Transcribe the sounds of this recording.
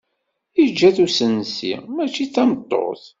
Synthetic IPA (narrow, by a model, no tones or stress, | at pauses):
id͡ʒːæθusənsḭʁmæt͡ʃːiθɑmət̪ˤːo̰θ